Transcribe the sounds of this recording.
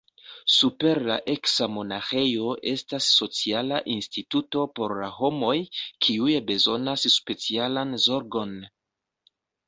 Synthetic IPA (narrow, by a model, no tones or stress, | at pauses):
supe̞ɾla̰ʔe̞ksamo̞naxe̞jo̞ʔe̞stasːo̞t͡sialaʔinstituto̞po̞ɾlaho̞mo̞jkʰiujebe̞zo̞nasːpe̞t͡sialanzo̞ɾɡo̞n